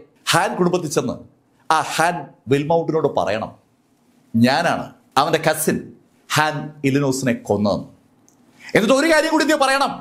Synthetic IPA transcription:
haːnkuɽumbɐt̪ːit͡ɕːenːɨ̰ | aːhaːnʋelmɐwɳʈ̬ːino̞ːɽɨpɐ̰rɐ̰jɐɳɐ̰m | ɲaːna̰ːɳɨ̰ | ɐʋɐndekɐsin | haːnilino̞ːsineko̞nːɐɐ̰nːɨ | enːɐʈːo̞ɾukaːɾjɐŋɡuːɽinijɐpɐrɐjɐɳɐm

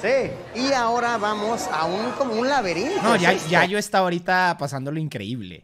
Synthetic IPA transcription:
si | iao̞ɾaβamo̞saunkomounlaβeɾinnoʝaʝaʝo̞est̪aβaoɾit̪apasand̪o̞loiŋkɾe̞̰iβlḛ

